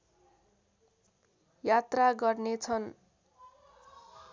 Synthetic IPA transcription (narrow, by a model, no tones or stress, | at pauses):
jat̪raɡʌrnet͡sʰʌn